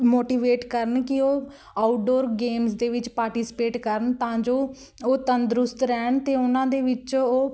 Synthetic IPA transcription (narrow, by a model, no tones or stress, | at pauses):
moːʈiːʋeːʈkəɾəɳkɪoː | aːʈɖoːɾɡeːmsd̪eːʋɪt͡ʃpaːɾʈiːsɪ̥peːʈkəɾənt̪ãːd͡ʒoː | oːt̪ənd̪ɾʊst̪ɾɛːɳt̪eːʊnãːd̪eːʋɪt͡ʃoː